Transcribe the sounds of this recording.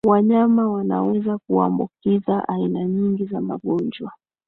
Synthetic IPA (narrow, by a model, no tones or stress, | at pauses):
waɲamawana̰wɛzakua̰mbukizaʔainaɲiŋɡizama̰ɠɔɲd͡ʒwa